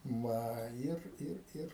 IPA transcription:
ˈʋɐ ˈɪr ˈɪr ˈɪr

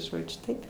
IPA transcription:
ˈʒoːd͡ʒʲʊ ˈtɐɪp

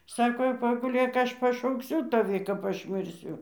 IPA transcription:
ˈsɑːkoː jɛʊ pɐɡʊˈlʲeːk ˈɐʃ pɐʃɐʊkˈsʲʊ tɐˈʋʲɪ kɐp ˈɐʃ mʲɪrʲˈsʲʊ

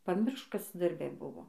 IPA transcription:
pɐˈmʲɪrʃk ˈkɐs dɐrʲˈbʲɛ ˈbʊʋoː

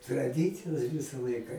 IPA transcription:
trɐˈdʲɪt͡sʲɪjoːs ˈʋʲɪsɐ ˈlˠɐɪkɐ

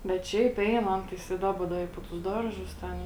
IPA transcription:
bʲɛt ˈʃʲɛɪp ˈɛɪn ˈɐn tɐɪs ɪ ˈdɑːbɐ ˈdɐ ɪ poː tʊs ˈdɐrˌʒʊs ˈtʲɛn

